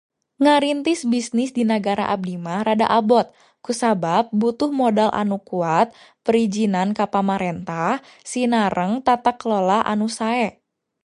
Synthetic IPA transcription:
ŋaɾint̪ɪsbisnɪsdinaɡaɾa̰ʔab̚dimahɾada̰ʔabɔt̪̚ | kusabap̚but̪ʊhmodalʔa̰nukuat̪̚ | pəɾid͡ʒinankapamaɾɛnt̪ah | sinaɾʔəŋt̪at̪aklolahʔa̰nusaɛ

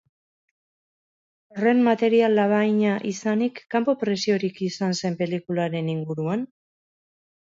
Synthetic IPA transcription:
ore̞mmat̪e̞ɾialːaβ̞ajɲaʔisanikːampo̞pɾe̞sio̞ɾikisanse̞mpe̞likulaɾe̞niŋɡuɾuan

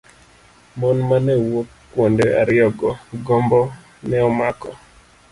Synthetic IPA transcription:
mɔnmanɛwokːwondeʔa̰ɾɪɔɡɔɡɔmbɔ | nɛɔmakɔ̰

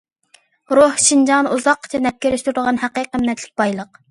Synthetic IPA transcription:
ɾohʃind͡ʒɑnuzɑqːt͡ʃʰɛnɛp̚kʲeɾɪʃt̪yɾd̪əʁɑnhæqiqəmːɛt̪ʰlɪk̚ʲbɑjlˠəq

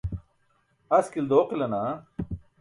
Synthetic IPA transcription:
ɐskild̪oːqilɐna

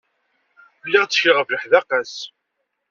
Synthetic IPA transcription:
lːiʁt͡sːʃɪʁəvləħðæqæs

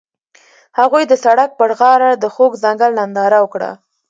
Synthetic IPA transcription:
haɣujd̪əsaɽak̚pəɽɣɑɾad̪əxoɡzaŋɡalnand̪ɑɾawəkɽa̰

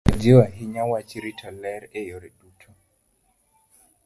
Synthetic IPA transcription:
a̰d͡ʒewaɦiɲawat͡ʃiɾitʰɔlɛɾɛjɔɾɛɗutʰɔ

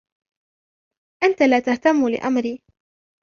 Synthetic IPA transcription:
ʔant̪alaːt̪aht̪amːʊlɪ̰ʔamɾiː

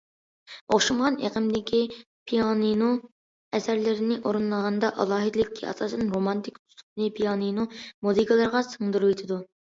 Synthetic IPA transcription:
oχʃumʁɑnḛqʰəmd̪ɪkʲi | pʰijɑninu | ɛsæɾlɪɾɪnɪʔoɾɨnlˠəʁɑnd̪ɑʔɑlˠɑːɦɨd̪ɪlɪkʲʰːiɑ̰sɑsɨnɾomɑnt̪ʰɪkʲt̪ʰu̥sʰu̥pnɪpʰijɑninumuzikʰəlˠɑɾʁɑsəŋd̪uɾuwit̪ʰɪd̪u

